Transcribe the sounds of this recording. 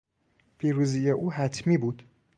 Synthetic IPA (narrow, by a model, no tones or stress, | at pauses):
pʰiːɾuzijɛʔuːɦæt̪ʰmiːbuːd̪̥